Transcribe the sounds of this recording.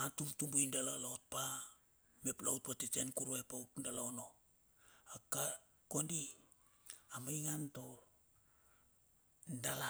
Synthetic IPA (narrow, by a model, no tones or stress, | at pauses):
atuɾtumbujndalalaot̚pa | me̞pla̰wt̚patit͡ʃe̞nkuɾoepautndalaono̞ | aka | ko̞ndi | amajŋanto̞ | ndala